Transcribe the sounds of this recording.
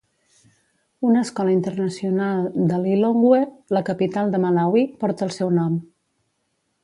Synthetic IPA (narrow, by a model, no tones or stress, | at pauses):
unəskɔləint̪ərnəsiunalˠd̪əliloŋɡweləkəpit̪alˠd̪əməlawipɔɾt̪əːlˠsɛwnɔm